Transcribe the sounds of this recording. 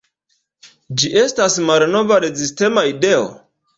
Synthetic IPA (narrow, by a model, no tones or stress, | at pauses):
d͡ʒiʔe̞stasmalno̞vaɾe̞ziste̞maideo̰